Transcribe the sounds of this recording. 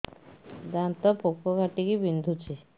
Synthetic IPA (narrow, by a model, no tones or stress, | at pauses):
d̪ant̪ɔpokʰːokaʈikibind̪ʱut͡ɕʰe